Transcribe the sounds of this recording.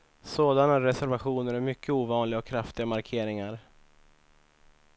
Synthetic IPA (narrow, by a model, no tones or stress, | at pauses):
soːd̪anaɾɛsæɾvaɧuːnəɾæɾmʏkʰːəuːvɑːnlɪɡaɔkʰːɾaft̪ɪɡamaɾkʰeːɾɪŋaɾ